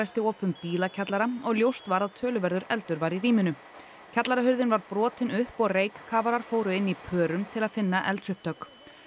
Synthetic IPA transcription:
ajst̪ɪɔːpʏmpiːlacʰat̪laɾaɔɣljowst̪vaɾaðt̪ʰœːlʏvɛɾðʏɾɛlt̪ʏɾvaɾiɾiːmɪnʏ | cʰat̪laɾaɦʏɾðɪnvaɾpɾɔːt̪ɪnʏhpɔɣrejkkʰːaːvaɾaɾ̥foːwɾʏɪnːipʰœːɾʏmt̪ʰɪlaðfɪnːaʔɛ̰lt̪sʏhp̚t̪œk

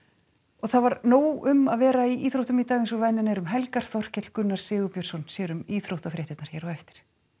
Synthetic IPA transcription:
ɔɣθaðvaɾnoːwʏmaðvɛːɾaiʔiːθɾowht̪ʏmit̪aːɣɪnsɔvɛnːɪnɛɾʏmɦɛlkaɾ̥θɔr̥cɛt̪l̥kʏnːaɾ̥sɪːɣʏpjœɾ̥sɔnsjɛːɾʏmiːθɾowht̪afɾʔɛːt̪ɪt̪naɾ̥çɛːɾɔɛft̪ɪ̥ɾ̥

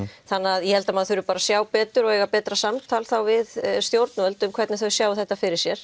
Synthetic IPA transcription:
θanːaðjɛhɛlt̪amaðθʏɾʏpaːɾasjaːwpɛːt̪ʏɾɔɣejɣapɛːt̪ɾasamt̪ʰalθawvɪðst̪jowɾt̪nœlt̪ʏmkʰvɛɾt̪nɪθœɥsjaːwθɛht̪ːafɪɾɪɾ̥sjɛɾ̥

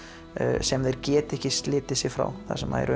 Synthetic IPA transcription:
sɛmðejɾcɛːt̪ɛhcɪst̪lɪːt̪ɪsɪfɾa̰wθa̰̥sɛma̰ðɛ̰ɾʏ

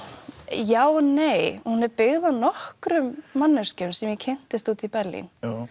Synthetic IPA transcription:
jaːwnejhunɛɾpɪɣðanɔhkɾʏmːanːʏscʏmsɛmjɛcʰejn̥t̪ɪst̪uːt̪ipɛɾlḭn

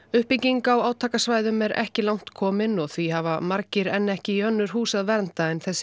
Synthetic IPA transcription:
ʏhpiciŋkawaːwt̪ʰaːkasvaːjðʏmɛɾɛ̰hcɪlawn̥t̪kʰɔːmɪnɔɣθvihava̰maɾcɪɾɛnːɛhcɪiœnːʏɾ̥huːsaðvɛɾnt̪aɛnθɛsː

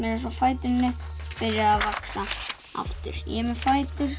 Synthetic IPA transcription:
mɛɾɛs̬afaːjt̪ʏnːɪpɪɾjaːðvaksa | a̰ft̪ʏ̰ɾ̥jɛ̰mɛfaːjt̪ʏɾ̥

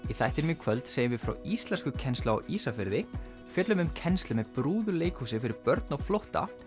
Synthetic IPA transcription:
iθajht̪ɪɾmikʰvœlt̪seːjɪmvɪfɾa̰wist̪lɛnskʏcʰɛnstlʏa̰wisafɪɾðɪ | fjɛːt̪lʏmʏmcʰɛnst̪lɪmɛðpɾuːðʏleːjkhusɪfɪɾɪɾpœɾt̪nɔɣflowht̪a̰

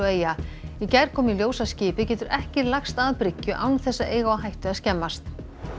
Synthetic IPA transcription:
ɔeːjaicajɾ̥kʰɔːmiljoːwsascɪːpɪcɛːt̪ʏɾʔɛhcɪlaxst̪aðpɾɪcːʏʔawnθɛsːaeːjɣaaɦajht̪ʏaðscɛmːast̪

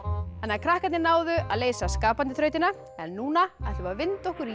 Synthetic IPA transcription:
hanːakʰɾahkat̪nɪnaːwðʏa̰ðleːjsaskaːpant̪ɪθɾœɥt̪ɪna | ɛnːuːnaaθɛvavɪnt̪ɔhkʏɾ

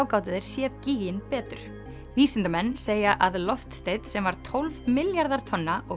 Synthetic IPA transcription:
wkaːwt̪ɪðɪɾ̥sjɛːðciːɣɪnpɛːt̪ʏɾ̥ | viːsɪnt̪amɛnːseːjaʔaðlɔft̪st̪eːjt̪sɛmvaɾ̥t̪ʰowlvmɪljaɾðaɾ̥t̪ʰɔnːaʔɔ

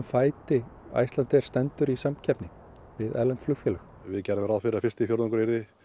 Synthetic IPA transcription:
mfaːjt̪ɪa̰jst̪lant̪ɛɾ̥st̪ɛnt̪ʏɾisamcʰɛpnɪ | vɪðɛɾlɛnt̪flʏxfjɛːlʏx | vɪðcɛɾɪmɾaðfɪɾafɪr̥st̪ɪifjowɾt̪ɔŋkɾejɾðɪ

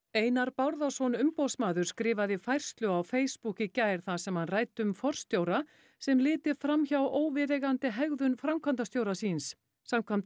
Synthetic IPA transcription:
eːjnaɾpawɾðasɔnʏmpɔsmaːðʏɾ̥skɾɪːvaðɪfajr̥st̪lʏawfeːjspucɪcaːjɾ̥θasɛmhanraːjt̪ʏmfɔr̥st̪joːwɾa | sɛmlɪːt̪ɪɾfɾamçawoːwvɪɾɛɣant̪ɪɦɛɣðʏnfɾamkʰvant̪ast̪joːwɾasiːns | samkʰvant̪

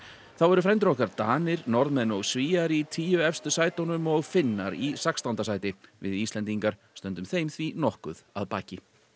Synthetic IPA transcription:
θawɛɾʏfɾɛjmt̪ɾɔhkaɾt̪aːnɪɾnɔɾðmɛnɔɣsviːaɾit̪ʰiːjʏɛfst̪ʏsaːjt̪onʏmɔɣfɪnːaɾisakst̪ant̪asaːjt̪ɪvɪ̰ðist̪lɛnt̪iŋkaɾ̥st̪œnt̪ʏmθejmθvinɔhkʏ̰ðaðpaːcɪ

